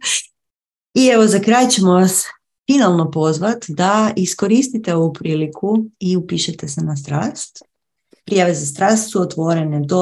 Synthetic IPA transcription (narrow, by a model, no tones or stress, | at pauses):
ie̞ʋo̞zakɾaːjt͡ɕe̞moʋas | finalˠno̞po̞zʋat̪d̪aisko̞ɾist̪it̪eo̞ʋupɾiːlikʰuiupiːʃet̪e̞senas̬t̪ɾaːst̪ | pɾijaʋe̞zast̪ɾaːst̪suot̪ʋo̞ɾe̞ned̪o